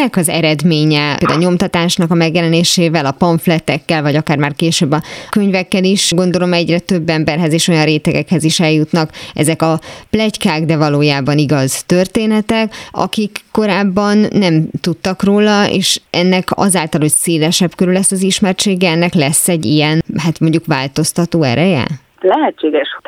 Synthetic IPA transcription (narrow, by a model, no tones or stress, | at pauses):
ɛkɒzɛ̰ɾɛd̪meːɲɛld̪aɲo̞mt̪ɒt̪aːʃnɒkɒmɛɡjɛlɛneːʃeːvɛlɒpɒɱflɛt̪ːɛkːɛlvɒɟɒkaːrmaːrkeːʃøːbːɒkøɲvɛkːɛliʃɡo̞n̪d̪o̞lo̞mɛɟrɛt̪ø̞bːɛmbɛrɦɛzeːʃo̞jɒnreːt̪ɛɡɛ̰khɛziʃɛljut̪nɒkɛ̰zɛkɒplɛckaːɡd̪ɛvɒloːjaːbɒniɡɒzt̪ørt̪eːnɛt̪ɛkɒ̰kikːo̞ɾaːbːɒnːɛmt̪ut̪ːɒkroːlɒḛːʃʔɛnːɛkɒ̰zaːlt̪ɒlho̞cseːlɛʃɛpkøɾylɛsːɒziʃmɛrt͡ʃeːɡɛɛnːɛklɛsːɛɟːijɛnɦaːt̪mo̞ɲɟukvaːlt̪o̞st̪ɒt̪oːɛ̰ɾɛjɛ̰ | lɛɦɛt͡ʃːeːɡɛʃ